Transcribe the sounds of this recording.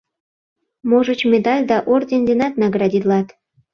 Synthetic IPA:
moʒə̆t͡ɕmʲed̪ɑlʲd̪ɑʔordʲend̪ʲenɑt̪nɑɡrɑdʲid̪lɑt̪

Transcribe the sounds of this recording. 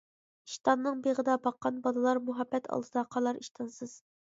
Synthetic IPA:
iʃt̪ɑnːɨŋbeʁəd̪ɑbɑqːɑnbɑlˠɨlˠɑɾmuɦɑbːɛt̪ʰɑ̰lˠd̪ɨd̪ɑqʰɑlˠɑɾiʃt̪ʰɑnsɨz̥

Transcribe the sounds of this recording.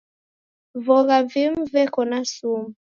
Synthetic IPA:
vɔɣavim̩vɛkɔnasum̩

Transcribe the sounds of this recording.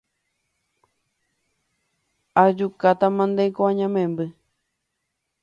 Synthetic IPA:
ad͡ʒukat̪amãnd̪ekoãɲãmẽmbɨ

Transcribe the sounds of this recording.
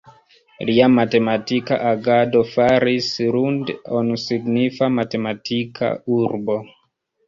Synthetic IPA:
liamate̞matika̰ʔaɡadofaɾisɾundonsiɡnifamate̞matʰikʰa̰uɾbo

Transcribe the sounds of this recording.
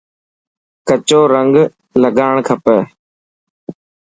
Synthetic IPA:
kət͡ʃoːɾəŋɡ | ləɡaːɳ̃kʰəpəː

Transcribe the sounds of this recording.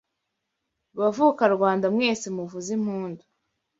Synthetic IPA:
βavukaɾɡwaːndamŋe̞ːsimuvuzim̥huːndu̥

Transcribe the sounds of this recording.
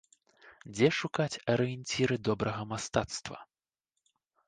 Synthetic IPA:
d͡zʲɛʂukat͡sʲɐɾɨjɛnʲt͡sʲiɾɨd̪ɔbɾɐɣɐmast̪at̪st̪vɐ̰

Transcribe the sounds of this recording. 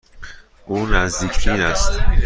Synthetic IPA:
ʔuːnæzd̪iːcʰiːnæst̪

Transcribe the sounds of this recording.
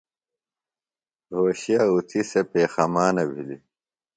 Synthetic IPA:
ɦoːɕijaːut̪ʰisepeːxɐmaːnɐbʱili

